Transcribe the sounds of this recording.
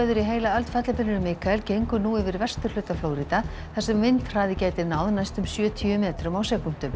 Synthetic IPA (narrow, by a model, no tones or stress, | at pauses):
ðʏɾiɦeːjlaœlt̪fɛt̪lapʰɪnːʏɾʏmːɪːkaɛlcejŋkʏnuːɪvɪɾvɛr̥st̪ʏɾ̥lʏːt̪afloːwɾiːt̪a | θasɛmvɪnt̪r̥aːðɪcaːjt̪ɪnaːwðnajst̪ʏmsjœːt̪ʰyʏmɛːt̪ɾʏmawsɛːkʏn̥t̪ʏm